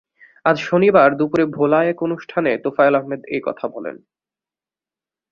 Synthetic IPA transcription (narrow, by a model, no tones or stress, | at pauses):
ad͡ʑʃonibaɾd̪upuɾebʱolaɛkonuʃʈʰanet̪ofaelaɦmed̪ejkɔ̰t̪ʰabɔlḛn